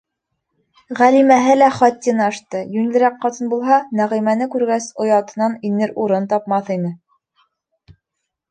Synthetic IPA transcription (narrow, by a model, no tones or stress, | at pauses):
ʁælimæɦɘlæχɒt̪ʲːinɑʃt̪ɤjʉnlɘ̆ɾækːɑt̪ɤnbulˠɦɑnæʁĭmænɘkʉɾɡæsŏjɑt̪ɤ̆nɑninɘɾuɾɤnt̪ɑp̚mɑθinɘ